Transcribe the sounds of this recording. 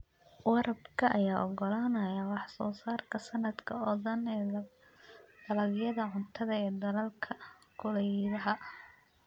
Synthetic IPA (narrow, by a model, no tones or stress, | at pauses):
wɑɾɐbkʰɐʔɐjaːʔɔɡɔlaːnɐjɐwɑħsɔːsaːrkʰɐsɐnɐd̪kʰɐɔðɐnː | d̪̥ɐlɐɡjɐðɐʕʊnt̪ʰɐðɐɛːd̪ɐlɐlkʰɐkʰʊlɛjðɐɦɐ